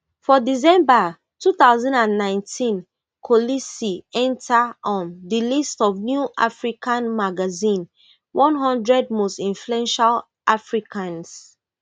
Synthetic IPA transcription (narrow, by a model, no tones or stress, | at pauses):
fɔdizɛ̃mba | tuθaʊzãndãnːãɪ̃ntʰĩn | kʰolisiɛ̃ntʰaɔ̃ndilistɔvnjuʔa̰fɹikãnmaɡazĩn | wʔɔ̃nɦɔ̃ndɹɛd̚mostĩɱfluɛ̃nʃal | ʔafɹikʰãns